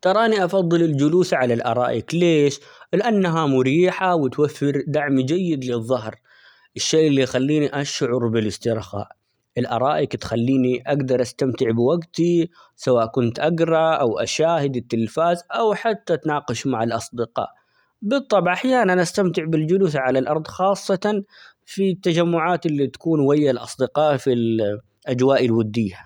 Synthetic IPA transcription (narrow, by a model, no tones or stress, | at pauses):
t̪ɑɾˤɑːniʔɑfɑðˤːɨlɪld͡ʒʊluːθʕalalʔɑ̰ɾˤɑ̰ːʔɪkleːʃlɪʔanːaɦamʊɾiːħawɪt̪wafːɪɾd̪aʕmid͡ʒajːɪd̪lɪðˤːɑɦɾ | ʔɪʃːeːʔɪlːijxalːiːniʔaʃʕʊɾˤbɪlɪst̪ɪɾˤxa̰ːʔ | ʔɪlʔɑ̰ɾˤɑːʔɪkt̪xalːiːniʔaɡd̪ɑɾˤʔast̪amt̪ɪʕbɪwaɡt̪i | sawaːʔkʊnt̪ʔaɡɾˤɑʔawʔa̰ʃaːhɪd̪ɪt̪ːɪlfaːzʔawħat̪ːat̪nɑːqɑʃmaʕalʔɑsˤd̪ɪqɑ̰ːʔ | bɨt̪ˤːɑbʕaħjaːnaanʔast̪amt̪ɪʕbɪld͡ʒʊlʊːθʕalalʔɑɾˤd̪ˤxɑːsˤːɑt̪ɑ | fit̪ːad͡ʒamːʊʕaːt̪ʔɪlːit̪ḁkuːnwajːalʔɑ̰sˤd̪ɪqɑːʔfil | ʔad͡ʒwaːʔɪlwʊd̪ːiːa